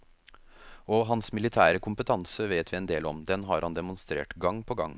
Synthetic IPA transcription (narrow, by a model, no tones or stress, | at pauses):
ɔɦɑnsmɪlɪt̪ʰæːɾəkʰʊmpət̪ʰɑnsəʋeːt̪ʋɪɛnd̪eːlɔ̰md̪ɛnɦɑɾhɑnd̪ɛmʊnst̪ɾḛːʈɡɑŋːpʰɔɡɑ̰ŋː